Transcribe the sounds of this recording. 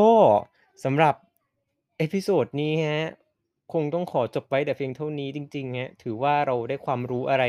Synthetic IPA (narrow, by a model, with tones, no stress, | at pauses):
ɔː˥˩ | sa˩˦mɾa˨˩p̚ | ʔeː˦˥pʰi˧˥soː˨˩t̪̚niː˦˥ŋʰɛ˦˥ | kʰo˧ŋt̪ɔ˥˩ŋkʰɔː˩˦t͡ɕo˨˩p̚wa˦˥jt̪ɛː˨˩pʰi˧ŋt̪ʰa˥˩wniː˦˥t͡ɕi˧ŋt͡ɕi˧ŋkʰɛ˦˥t̪ʰɯː˩˦waː˥˩ɾa˧wdaː˥˩jkʰwaː˧mɾuː˦˥ʔa˧ɾa˧